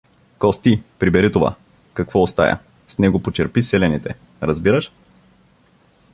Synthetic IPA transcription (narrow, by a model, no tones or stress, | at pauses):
kɔst̪ipɾibɛɾit̪ova̰ | kɐkvɔːst̪a̰jɐ̰ | snɛɡopot͡ʃɛɾpisɛlɛnit̪ɛ̰ | ɾɐzbiɾəʃ